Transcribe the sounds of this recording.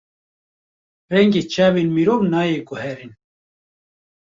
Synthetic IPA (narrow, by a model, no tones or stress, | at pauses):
rɛŋɡeːt͡ʃaːbinmiɾoːvnaːjekʊhɛɾin